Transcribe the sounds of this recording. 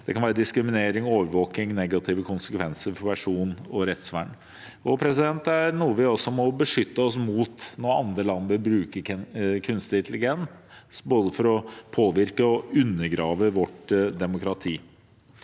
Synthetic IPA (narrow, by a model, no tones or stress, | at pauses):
d̪̥ɛkɑnʋæːɾəd̪ɪskɾɪmɪneːɾɪŋoːʋəɾʋoːkɪŋnɛɡɑt̪ʰɪʋəkʰʊnsəkʰʋɛnsəɾfɔɾpʰæʂuːnɔɾɛt̪sʋæ̰ɳ | ɔpʰɾɛs̬ɪd̪ɛnt̪æɾnuːəʋɪɔsːɔmɔbəʂʏt̪ːəɔs̬muːt̪nɔɾɑ̰nd̪ɾəlɑnːəʋɪlbɾʉːkəɾkʰʉnst̪ɪnt̪ʰlɪɡɛnsboːd̪əfɔɾɔpʰoːʋɪɾkəɔʉnːəɾɡɾɑːʋəʋɔʈd̪ɛmʊkɾɑt̪ʰiː